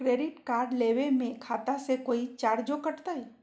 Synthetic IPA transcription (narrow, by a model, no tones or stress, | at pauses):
kɾeɖiʈkaɾɖleʋemẽkʰat̪asekoit͡ʃaɾd͡ʒokəʈt̪aj